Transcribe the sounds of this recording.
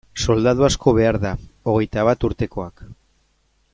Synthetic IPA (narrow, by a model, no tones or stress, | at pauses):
so̞ld̪að̞uasko̞β̞e̞aɾðao̞ɣ̞e̞jt̪aβ̞at̪uɾt̪e̞ko̞ak